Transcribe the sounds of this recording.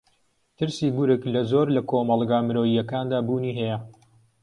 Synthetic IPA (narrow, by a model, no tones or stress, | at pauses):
t̪ɨɾsiːɡʊɾɨklɐzoːɾlɐkʰoːmɑlˠɡaːmɨɾoːijɐkaːnd̪aːbuːniːɦɛjɐ